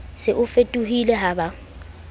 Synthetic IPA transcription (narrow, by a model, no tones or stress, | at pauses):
sɪʔʊfetʼuɦilɛɦaba